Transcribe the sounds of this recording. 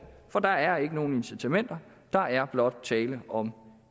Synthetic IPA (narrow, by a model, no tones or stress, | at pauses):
fɒ̽d̥ɑ̈æɐe̝ɡ̥əno̝ːn̩e̝nsit͡sʰæmen̰d̥ɐ | d̥ɑ̈ʔæɐb̥lɒ̽d̥̚t͡sʰɛːləʔɒ̽m